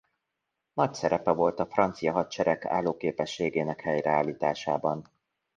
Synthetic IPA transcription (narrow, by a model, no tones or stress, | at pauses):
nɒcsɛɾɛpɛvo̞lt̪ɒfrɒnt̪sijɒɦɒt̪̚t͡ʃɛɾɛka̰ːlːoːkeːpɛʃːeːɡeːnɛkhɛjrɛaːliːt̪aːʃa̰ːbɒn